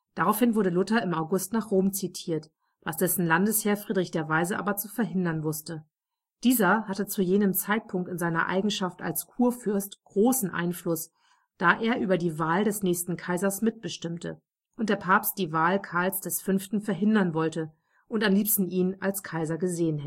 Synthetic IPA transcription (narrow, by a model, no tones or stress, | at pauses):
d̥aʁaʊfhɪnvʊɐɾəlʊtɐɪmaʊɡʊstnaːχʁ̥oːmt͡sitʰiːɐt | vasd̥ɛsn̩landəsheːɐfʁ̥iːdʁɪçd̥eːɐvaɪzəʔa̰ːbɐt͡sufɛɐɦɪndɐnvʊstə | d̥iːzɐhatət͡sujeːnəmt͡saɪt̚pʰʊŋktɪnzaɪnɐ̰ʔa̰ɪɡŋ̩ʃafta̰lskʰuːɐfʏɐstɡ̥ʁoːsn̩ʔa̰ɪnflʊs | d̥aːʔeːɐʔyːbɐdiːvaːldɛsnɛːçstn̩kʰaɪzɐsmɪt̚b̥əʃtɪmtʰə̰ | ʔʊntd̥eːɐpʰaːpst̚d̥iːvaːlkʰaɐlsd̥ɛsfʏnftn̩fɛɐɦɪndɐnvɔltə | ʔʊntamliːpstn̩iːnalskʰaɪzɐɡəzeːənhɛ